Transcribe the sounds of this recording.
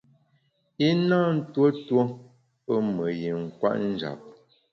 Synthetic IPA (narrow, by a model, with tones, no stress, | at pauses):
i˦naː˦n̩˦two˦two˦ | pə˦mə˨ji˨ŋ˨kwa̰˦ʔn̩˦d͡ʒa̰˨p̚